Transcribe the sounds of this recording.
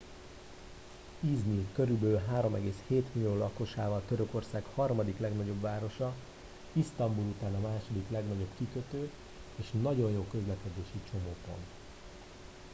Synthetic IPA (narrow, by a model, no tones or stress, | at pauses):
iznilkøɾybølɦaːɾo̞mɛɡeːsheːt̪milijoːlɒko̞ʃaːvɒlt̪ø̞ɾø̞ko̞rsaːkhɒrmɒd̪iklɛɡnɒɟo̞bʋaːɾo̞ʃɒ | ist̪ɒmbulut̪aːnɒmaːʃo̞d̪iklɛɡnɒɟo̞bkikøt̪øː | eːʃnɒɟo̞njoːkø̞zlɛkɛd̪eːʃit͡ʃo̞moːpo̞̰nt̪